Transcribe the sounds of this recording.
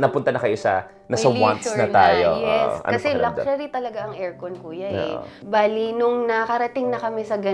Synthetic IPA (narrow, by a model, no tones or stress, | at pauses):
nɐpʊnt̪ɐnɐkɐjosɐ̰ | nɐsɐwa̰nnɐt̪aːjojo̰ːsʔɐ̰kɐsɛlɐk̚ʃɐɾit̪ɐlɐɡaʔɐŋʔɛɹkonkuːjɐʔɛ̰baːlinʊŋnɐɐkɐɾɐt̪ɪŋnɐkɐmɛsɐɡɐ